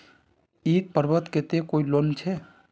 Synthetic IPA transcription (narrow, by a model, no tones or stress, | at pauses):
it̪̚pəɾbət̪ket̪ekoilont͡ʃʰɛ